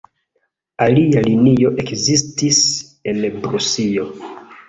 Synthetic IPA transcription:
alialinio̞ʔe̞kzistis | e̞nbɾusijo̞

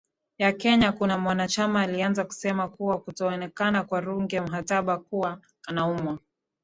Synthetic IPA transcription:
jakɛɲakunamwanat͡ʃamaːlianzaku̥sɛmakuwakutɔɔnɛkanakwaɾuŋɡɛm̩ɦataɓakuwa | anaumwa

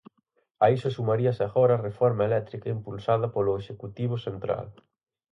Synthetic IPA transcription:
aisʊsumaɾiɐsaɣoɾɐrefɔɾmɐelɛt̪ɾikɐimpulsað̞ɐpolʊeʃekut̪iβ̞ʊsent̪ɾa̰l

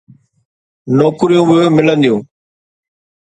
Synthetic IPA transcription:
noːkɾijũːʋɪoːmɪlə̃nd̪ijũː

